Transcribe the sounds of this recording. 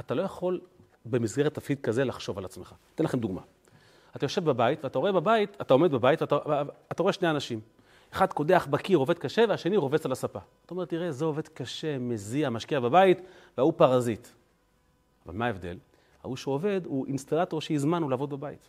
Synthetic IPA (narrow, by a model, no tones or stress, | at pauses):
at̪alo̞jaχo̞l | bemizɡe̞ʁet̪afid̪̚kaze̞laχʃo̞valat͡smeχat̪enlaχemd̪uɡma̰ | at̪ajo̞ʃevbabaitveat̪ao̞ebabait̪at̪aome̞d̪babaitveataat̪aʁo̞e̞ʃneanaʃim | eχad̪ko̞d̪eaχbakiʁo̞ve̞d̪̚kaʃe̞veaʃe̞niʁo̞ve̞t͡salasapaat̪aoe̞t̪ːiʁe̞zeo̞ve̞d̪kaʃe̞meziamaʃkiababait̪ | veaupaʁazit̪ | ava̰lmaːe̞vd̪e̞̰l | ha̰uʃeove̞d̪uʔinst̪alato̞ʁʃeizmanulaːvo̞d̪̚bebaḭt̪